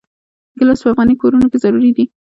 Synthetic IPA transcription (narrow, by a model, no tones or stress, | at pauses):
ɡəlasoafɣɑnikoɾunokezaɾuɾid̪i